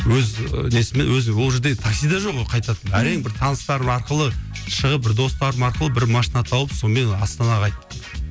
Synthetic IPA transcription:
wɵzne̞sɪmenwɵzɪŋwolˠʒeɾd̪e̞ɡt̪ʰaksijd̪ɑʒo̞qːojqʰɑjt̪ɑt̪ənæɾejŋbɪɾt̪ʰɑnəst̪ɑɾəmɑɾqəlˠəʃəʁəp̚bɪɾd̪o̞st̪ɑɾəmɑɾqəlˠəbɪɾmɑʃinɑt̪ʰɑwəpso̞nme̞nɑst̪ɑnɑqʰɑjt̪ːə

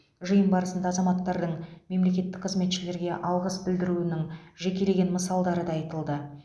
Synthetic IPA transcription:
ʒəjəmbɑɾəsənd̪ɑːzɑmɑt̪ːɑɾd̪əɴme̞mle̞kʲe̞t̪ːɪ̥k̚qʰəzme̞t̪ʃɪle̞ɾɡʲe̞ʔɑlˠʁəsbɪld̪ɪɾuɪnɪŋʒe̞kʲe̞le̞ɡʲe̞nməsɑlˠd̪ɑɾəd̪ɑɑjt̪əlˠd̪ə

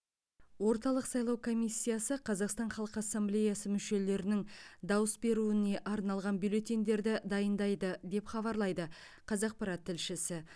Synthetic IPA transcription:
wo̞ɾt̪ɑlˠəqsɑjlˠɑwkʰo̞mijsʲːijasəqʰɑzɑqst̪ɑnχɑlˠəqəɑsːamblʲe̞jasəmʏʃe̞le̞ɾɪnɪŋd̪ɑwəsbe̞ɾuɪne̞ʔɑɾnɑlˠʁɑnbylʲˠe̞t̪ʲend̪e̞ɾd̪ɪd̪ɑjənd̪ɑjd̪əd̪e̞pχɑβɑɾlˠɑjd̪ə | qʰɑzɑq̚pɑɾɑt̪ʰːɪlʃɪsɪ

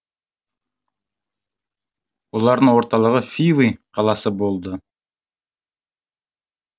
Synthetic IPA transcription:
olˠɑɾd̪ɯno̞ɾt̪ɑlˠəʁəfʲivɨjqʰɑlˠɑsɯbo̞lˠd̪ʊ

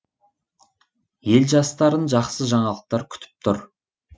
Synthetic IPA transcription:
je̞lʒɑst̪ɑɾənʒɑqsəʒɑɴɑlˠəq̚t̪ɑɾkʲʰʏ̥t̪ʰɪ̥p̚t̪ʰʊ̰ɾ

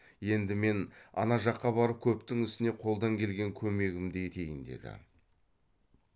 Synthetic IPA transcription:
je̞nd̪ɪme̞nɑ̰nɑʒɑqːɑbɑɾəp̚kʲʰɵpt̪ɪŋʏst̪ɪne̞qʰo̞lˠd̪ɑŋkʲʰe̞lɡʲe̞ŋkʲʰɵme̞ɡʲɪmd̪eet̪ʰe̞jɪnd̪e̞̰d̪ɪ̰

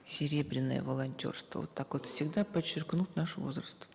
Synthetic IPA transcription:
sʲɪɾʲe̞bɾʲɪnːə̰jə̰vəlˠɐnʲtʲo̞̰rst̪və̰ot̪ːakot̪fsʲɪɡd̪apət͡ɕːɪrknut̪ʲnaʂvo̞̰zrəst̪

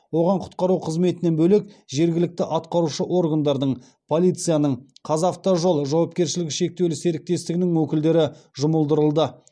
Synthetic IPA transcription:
wo̞ʁɑɴqʰʊ̥t̪̚qɑɾuqʰəzme̞t̪ɪne̞nbɵlekʒe̞ɾɡʲɪlɪk̚t̪ɪʔɑt̪qɑɾuʃəʔo̞ɾɡand̪ɑɾd̪əɴ | pʰo̞lˠijt̪sɨjanəɴqʰɑzaft̪ɑʒolˠʒɑwɑpkʲe̞ɾʃɪlɪkʲʃe̞k̚t̪ew̪lɪse̞ɾɪk̚t̪e̞st̪ɪɡʲɪnɪŋwɵkʲɪld̪e̞ɾɪʒʊməlˠd̪əɾəlˠd̪ə

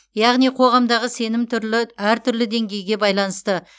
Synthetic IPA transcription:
jɑʁnijqʰo̞ʁɑmd̪ɑʁəse̞nɪmt̪ʰʏɾlɪæɾt̪ʰʏɾlɪd̪e̞ŋɡʲe̞jɡʲe̞bɑjlˠɑnəst̪ə

